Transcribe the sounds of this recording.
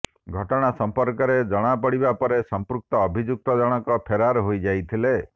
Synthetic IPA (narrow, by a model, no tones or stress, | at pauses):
ɡʱɔʈɔɽ̃asɔmpɔɾkɔɾed͡ʒɔɽ̃apɔɽibapɔɾesɔmpɾuk̚t̪ɔːbʱid͡ʒuk̚t̪ɔd͡ʒɔɽ̃ɔkɔpʰeɾaɾɦojd͡ʒajt̪ʰile